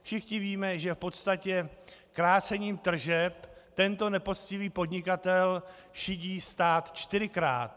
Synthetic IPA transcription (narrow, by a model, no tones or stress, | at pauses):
fʃɪxɲɪviːmɛʒɛfpo̞t̪st̪acɛkɾaːt͡sɛɲiːmt̪r̩ʒɛpt̪ɛnt̪o̞nɛpo̞t̪t͡scɪviːpo̞d̪ɲɪkat̪ɛl | ʃɪɟiːst̪aːt̪t͡ʃt̪ɪɾɪkɾa̰ːt̪